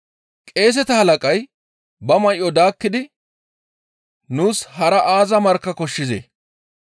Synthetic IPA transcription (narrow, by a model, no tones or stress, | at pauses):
kʼe̞ːs̬ɛt̪ɐhɐlɐkʼɐj | bɐmɐjʔɔd̪aːkːɪd̪ɪ | nuːshɐɾɐʔaːzɐmɐɾkːɐkɔʃːɪzḛː